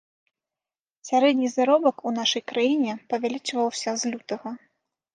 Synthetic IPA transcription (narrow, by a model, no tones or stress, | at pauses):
sʲaɾɛd̪nʲizaɾɔbɐkunaʂɐjkɾajinʲɛpɐvʲalʲit͡ʂvɐwsʲɐzlʲut̪ɐɣɐ